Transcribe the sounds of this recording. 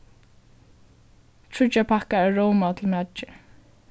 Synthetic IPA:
t̪ʰɹʊt͡ʃapʰakaæɹowmat̪ʰɪl̩mat͡ʃɪ

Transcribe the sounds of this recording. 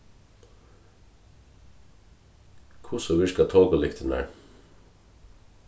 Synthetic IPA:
kʰʊsɔʋɪʃkɑt̪ʰoːɡəlɪkt̪ʰənæ̰ːɹ

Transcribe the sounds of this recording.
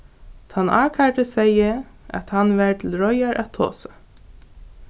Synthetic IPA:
t̪ʰanʔa̰ːkʰaʈəsɛjəæ̰t̪hanʋɛɹt̪ʰɪlɹɔjaɹʔæt̪ʰːo̰ːsḁ

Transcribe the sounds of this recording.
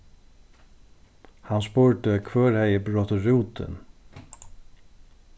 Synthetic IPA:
hanspuːɹʈəkʰʋœːɾhæɪəbɾɔt̪əɾuːt̪ʰə̰n

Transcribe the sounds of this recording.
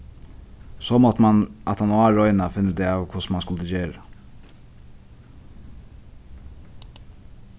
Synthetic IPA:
sɔmɔt̪əmanʔa̰t̪ʰanʊaːɹɔʏnafɪnːəd̪ɛɑːʋkʰʊsmanskʊlt̪əd͡ʒeːɹa

